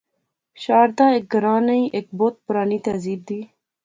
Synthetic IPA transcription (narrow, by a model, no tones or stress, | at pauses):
ɕɑːɾd̪aek̚ɡəɾɑːnaiʔek̚bot̪̚pʊɾɑːnit̪ɐziːb̚d̪i